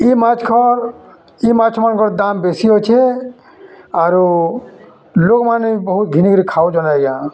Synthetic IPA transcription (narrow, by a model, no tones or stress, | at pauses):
imat͡ʃʰkʰɔ | imat͡ʃʰmankʰɔɾd̪aːmbesiɦot͡ʃʰe | aːɾu | lokmanibɔɦut̪̚ɡʱiniɡɾikʰaːwud͡ʒɔnaeɡjã